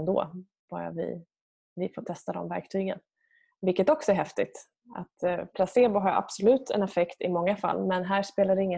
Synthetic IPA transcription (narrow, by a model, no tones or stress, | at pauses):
nd̪o̰ː | b̥ɑ̰ːɾa̰vɪ̰ | vɪfoːt̪ʰɛst̪ad̪ɔ̰mvæ̰ɾk̚t̪ʰyːɡə̰n | vɪlkːət̪ɔksɔɛæɾɦɛft̪ɪt̪ | a̰t̪pʰlaseːbʊɦaɾa̰bsʊlʉ̟ːt̪ʰɛ̰nɛfɛkt̪ɪmɔŋːafa̰lːmɛnɦæːʂpeːlaɖɛɪŋːə